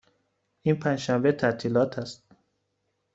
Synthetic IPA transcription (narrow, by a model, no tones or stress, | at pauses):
ʔiːnpʰænʃæmvet̪ʰæt̪ʰiːlɒːt̪ʰæst̪̚